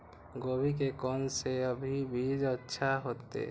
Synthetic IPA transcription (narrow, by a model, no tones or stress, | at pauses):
ɡoːbikekɔːnseəbʱibʱid͡ʒətːʃʰaɦoːt̪ḛ